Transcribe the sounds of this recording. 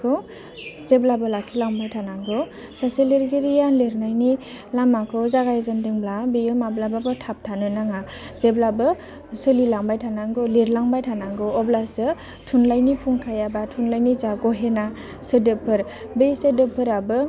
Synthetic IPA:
kʰɔ | zeblabɯlakʰilaŋbajtʰanaŋɡɔ | saseleɾɡeɾijanleɾnajni | lamakʰɔzaɡajzɯndɯŋblabejɯmablababɯtʰap̚tʰanɯnaŋa | zeblabɯ | sɯlilaŋbajtʰanaŋɡɔleɾlaŋbajtʰanaŋɡɔɔblasɯ | tʰunlajnipʰuŋkʰajabatʰunlajnizaɡɔɦena | sɯdɯpʰːɯɾ | bejsɯdɯpʰːɯɾabɯ

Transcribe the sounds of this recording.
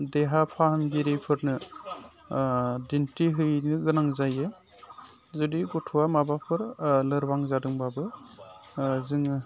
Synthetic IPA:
deɦapʰaɦamɡiɾipʰɯɾnɯ | dintiɦɯjnɯɡɯnaŋzajɯ | zudiɡɔtʰuwamabapʰɯɾlɯɾbaŋzadɯŋbabɯ | zɯŋɯ

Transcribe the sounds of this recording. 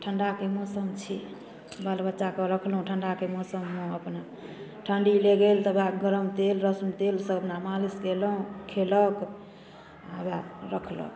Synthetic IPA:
ʈʰəɳɖakemosəmt͡ʃʰḭ | bəlbətːʃakəɾəkʰlɦũʈʰəɳɖakemosəmːõəpna | ʈʰəɳɖileɡelt̪əbaɡəɾəmt̪elɾəsmt̪elsəbnamaliskeləɦũkʰelək | abaɾəkʰlə̰k

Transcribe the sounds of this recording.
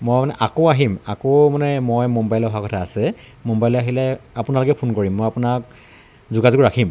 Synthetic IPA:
mojmanɛʔakoaɦimakomanɛmɔjmɔmbajlɔxakɔtʰaːsɛ | mɔmbajlɔaɦilɛapʊnalʊkɛpʰʊnkoɹimːɔjapʊnak̚ | zʊɡazuɡʊɹakʰim

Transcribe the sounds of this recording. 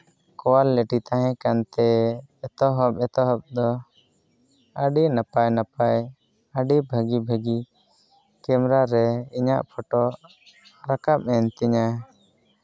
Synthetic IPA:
kɔwalːeʈit̪aɦɛ̃kant̪ɛːt̪ɔɦɔpɛt̪ɔɦɔb̚d̪ɔ | aɖinapajnapaj | aɖibʱəɡibʱəɡi | kɛmɾaɾɛiɲaʔpʰɔʈɔ | ɾakap̚mɛnt̪iɲa

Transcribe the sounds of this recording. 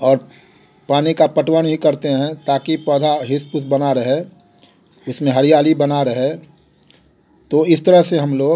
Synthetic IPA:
ɔːɾ | paːnikapəʈwənɦikɐɾt̪eɦɛ̃t̪aːkipɔːd̪ʱaɦɪspʊsbɐnaɾɐɦe | ʊsmẽɦɐɾijaːlibənaɾɐɦe | t̪oɪst̪əɾəɦseɦɐmloːɡ

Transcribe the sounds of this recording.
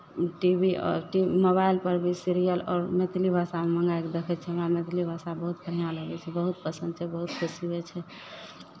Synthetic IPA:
ʈibḭʈimobailpəɾbʱisiɾijəlɔ̰ːɾmet̪libʱasameməŋɡaked̪ekʰɛt̪̚t͡ʃʰɛəmamet̪ʰlibʱasabəɦut̪̚kʰəɾɦijaləɡɛt͡ʃʰɛbəɦut̪̚pəsənd̪t͡ʃʰɛbəɦut̪kʰesibɛt͡ʃʰɛ

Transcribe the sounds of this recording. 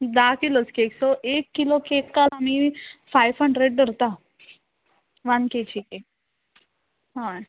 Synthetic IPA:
d̪akiloskeːksɔʔekːilokeːkːalɦamiːfaiʋɦəɳɖɾeɖɖəɾt̪a | ʋanket͡ʃʰike | ɦã

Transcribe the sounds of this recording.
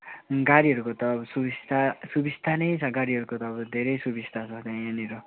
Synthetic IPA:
ɡaɾiɦʌɾukot̪ʌːbʌsubist̪ʰasubist̪ʰanʌjt͡sʰʌɡaɾiɦʌɾukot̪ʌːbʌd̪ʱeɾʌjsubist̪ʰat͡sʰʌt͡sãj̃aniɾo

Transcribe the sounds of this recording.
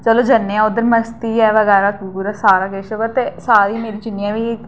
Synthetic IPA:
t͡ʃəloːd͡ʒənːeãːʊd̪əɾməst̪iːɛːʋəɣɛːɾaːkuɡuɾasaːɾaːɡeʃəɡət̪esaːɾiːmeːɾiːt͡ʃɪnːijãːʋiː

